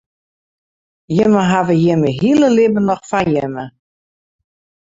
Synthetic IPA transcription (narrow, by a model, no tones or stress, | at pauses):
jɪməɦavəjɪməɦiələlɪbənɔxfajɪmə